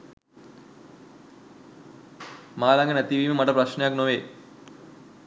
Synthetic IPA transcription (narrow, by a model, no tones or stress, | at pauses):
maːlaŋɡɐnet̪ːiʋiːmɨmɐʈɐprɐɕnejaːknoʋeː